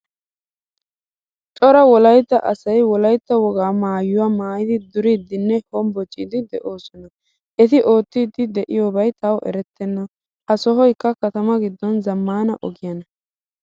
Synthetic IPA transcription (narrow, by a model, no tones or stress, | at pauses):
t͡ʃʼɔɾɐwɔlɐjt̪ːɐʔɐsɐjwɔlɐjt̪ːɐwɔɡaːmaːjʊwaːmaːjɪd̪ɪd̪ʊɾiːd̪ːɪnːɛhɔmbɔt͡ʃʼːiːd̪ɪd̪ɛʔo̞ːsɔnɐ | ʔɛt̪ɪʔo̞ːt̪ːiːd̪ːɪd̪ɛʔɪjo̞ːbɐjt̪ɐwʔɛ̰ɾɛt̪ːɛnːɐ | hɐsɔɦɔjkːɐkɐt̪ɐmɐɡɪd̪ːɔnzɐmːaːnɐʔɔɡɪjɐnɐ